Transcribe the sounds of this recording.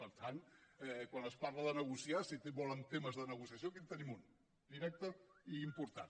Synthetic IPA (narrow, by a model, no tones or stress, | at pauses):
pəɾt̪ʰanɛkwanəspaɾləðənəɣusiasit̪eβɔlənt̪eməzðənəɣ̞usiəs̬iokit̪ənimun | d̪iɾɛk̚t̪əiːmpuɾt̪an